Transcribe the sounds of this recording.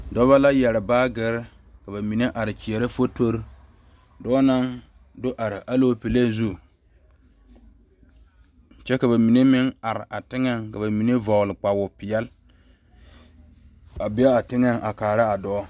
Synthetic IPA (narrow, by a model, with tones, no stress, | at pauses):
dɔ˦βa˦la˦jɛ˨ɾɪ˨baː˦ɡɪ˦ɾ | ka˨ba˨mi˨ne˦ʔa˨ɾɪ˨t͡ʃi˨ɛ˨ɾɪ˦fo˦to˦ɾ | dɔː˦na˦ŋ | do˦ʔa˨ɾɪ˨ʔa˦lo˦pi˨le˦zu˦˨ | t͡ʃɛ˦ka˨ba˨mi˨ne˦mɪ˦ŋa˨ɾɪ˨ʔa˨tɪ˦ŋɛ˦ŋka˨ba˨mi˨ne˦vɔ˨ɣlɪ˨k͡pa˨wʊ˨pɪ˨jɛ˦l | a˨bɪ˦a˦a˨tɪ˦ŋa˦ŋʔa˨kaː˨ɾa˦a˨dɔ˦